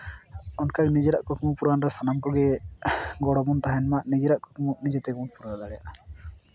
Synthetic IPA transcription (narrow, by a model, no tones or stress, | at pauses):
ɔnkaɽinid͡ʒɛɾaʔkɔkumupuɾanɾasanamkɔɡɛ | ɡɔɽɔbɔnt̪aɦɛnmaʔnid͡ʒɛɾaʔkɔkumuʔnid͡ʒɛt̪ɛɡunpuɾad̪aɽɛja̰ʔ